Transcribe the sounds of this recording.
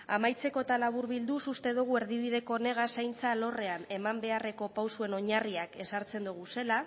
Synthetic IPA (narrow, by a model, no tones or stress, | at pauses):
a̰majt͡se̞ko̞t̪alaβuɾβild̪usust̪e̞ðuɣ̞ue̞ɾðiβið̞e̞ko̞ne̞ɣ̞asajnt͡salo̞re̞ane̞mambe̞are̞ko̞pawsue̞no̞ɲariake̞saɾt͡se̞nd̪uɣ̞use̞la